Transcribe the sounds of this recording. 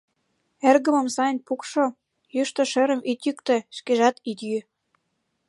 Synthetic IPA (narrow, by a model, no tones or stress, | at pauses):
erɣə̆mə̆msɑjnʲpukʃo | jyʃt̪ŏʃĕɾə̆mit̪jykt̪ĕʃkeʒɑt̪it̪jy